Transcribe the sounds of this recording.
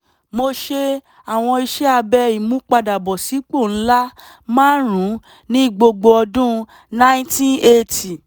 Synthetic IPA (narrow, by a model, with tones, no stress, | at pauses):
mo˧ʃe˧ | a˨w̃ɔ̃˧i˧ʃɛ˦a˧bɛ˧i˨mũ˨˦k͡pa˧da˨bɔ˨si˨˦k͡po˦˨n̩˦la˦ | mãː˦ɾũ˨˦ | nĩ˦i˦˨ɡ͡bo˧ɡ͡bo˧ɔ˧dũ˦ | nã˦tĩ˦e˧ti˨